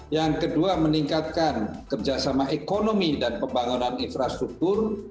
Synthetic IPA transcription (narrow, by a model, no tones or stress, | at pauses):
jaŋkəduaməniŋkat̪̚kankərd͡ʒasamaʔekonomidanpəmbaŋunaninfɾast̪ɾuk̚t̪ʊr